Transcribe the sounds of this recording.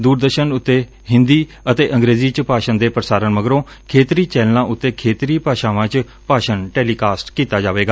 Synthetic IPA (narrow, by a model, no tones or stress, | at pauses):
d̪uːɾd̪əɾʃənʊt̪ːeː | ɦɪ̃nd̪iː | ət̪eːʔə̃ŋɡɾeːziːt͡ʃpaːʃənd̪eːpɾəsaːɾənməɡɾõː | kʰeːt̪ɾiːt͡ʃɛːllãːʔʊt̪ːeːkʰeːt̪ɾiːpaːʃaːʋãːt͡ʃ | paːʃənʈɛːliːkaːsʈkiːt̪aːd͡ʒaːʋeːɡaː